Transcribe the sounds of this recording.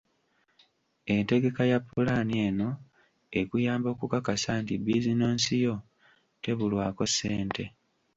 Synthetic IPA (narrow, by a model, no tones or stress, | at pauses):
e̞nte̞ɡe̞kajapːulanie̞ːno̞ | ekujaːmbo̞ːkukakasantibizino̞ːnsijo̞ | te̞βulwaːko̞se̞ːnte̞